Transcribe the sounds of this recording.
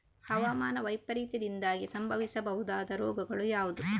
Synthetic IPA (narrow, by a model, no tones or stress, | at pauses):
hɐʋaːmaːnɐʋɐjpɐɾiːt̪ɐd̪ind̪aːɡisɐmbʱɐʋisɐbɐɦud̪aːd̪ɐɾɔːɡɐɡɐɭujaːʋud̪u